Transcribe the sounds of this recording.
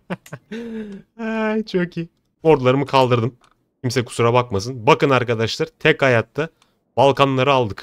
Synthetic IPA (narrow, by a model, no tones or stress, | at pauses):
ajt͡ʃʰociː | o̞ɾd̪ulˠaɾɯmɯkʰalˠd̪ɯɾd̪ɯm | cʰimsɛku̥suɾabakmasɯnbakɯnaɾkad̪aʃlˠaɾt̪ʰɛchajat̪ːa | balˠkʰanlˠaɾɯalˠd̪ɯk